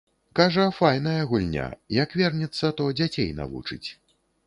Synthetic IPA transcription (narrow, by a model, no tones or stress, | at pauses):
kaʐɐfajnɐjɐɣulʲnʲa̰jɐkvʲɛrnʲit̪sːɐt̪ɔd͡zʲat͡sʲejna̰vṵt͡ʂɨ̰t͡sʲ